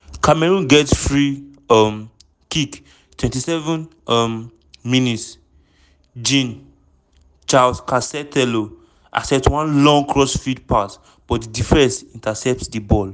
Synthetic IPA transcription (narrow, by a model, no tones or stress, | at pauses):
kʰamɛɹũnɡɛtsfɹiɔm | kik | twɛ̃ntisɛvə̃n | ɔm | minits | d͡ʒĩn | t͡ʃalskasɛtɛlo | ʔa̰ksɛp̚twãnlɔ̃ŋkʰɹɔsfid̚pat | b̥ɔtddifɛ̃nsĩntasɛp̚tdibɔl